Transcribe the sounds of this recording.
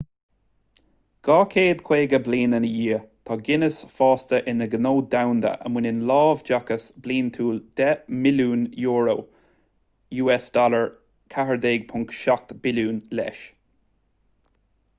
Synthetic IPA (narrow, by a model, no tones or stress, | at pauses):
ɡ̥ɑːkʰeːd̪kʰweːɡəbliːnənəjiːət̪ʰɑːɡɪnəsfɑːst̪əʔɪnəɡənoːd̪awnd̪ə̰ʔə̰mwɪnɪnlɑːvd͡ʒakəsbliːnt̪ʰuːld̪̥ɛmɪluːnjuːɹow | juːɛsd̪̥ɔləɹ | kʰaɦəɹd̪eːɡ̚pʰʊŋkʃak̚t̪b̥ɪluːnlɛ̰ʃ